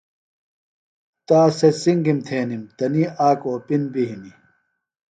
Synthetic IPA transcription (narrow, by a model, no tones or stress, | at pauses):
t̪aːsesiŋɡimt̪ʰeːnimt̪ɐniaːkoːpinbiɦini